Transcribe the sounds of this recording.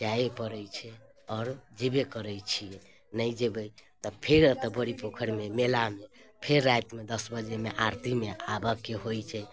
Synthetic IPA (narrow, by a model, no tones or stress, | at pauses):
d͡ʒaepəɾəjt͡ʃʰɛ | ɔːɾd͡ʒebekəɾəjt͡ʃʰie | nəjd͡ʒebəjt̪ɔpʰeɾt̪ɔbʱəɾipokʰəɾmemelamepʰeɾːajt̪med̪əsbəd͡ʒemeʔaɾt̪imeabəkːeɦojt͡ʃʰɛ